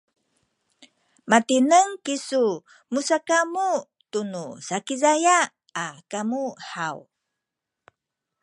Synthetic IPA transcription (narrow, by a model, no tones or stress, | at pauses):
matinəŋkisu | musakamu | tunusakizaja | akamuħaw